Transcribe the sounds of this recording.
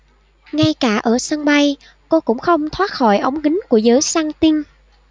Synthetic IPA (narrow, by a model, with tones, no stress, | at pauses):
ŋa˧jkaː˧˩ʔəː˧˩sə˧ŋɓa˧j | ko˧kʊ̰˧˥ŋ͡mxə˧wŋ͡mt̪ʰwaː˦˥t̚xɔ˧˩jʔə˨˦wŋ͡mɣï˨˦ŋ̟ku˧˩əzəː˨˦jsaː˧ŋt̪i˧n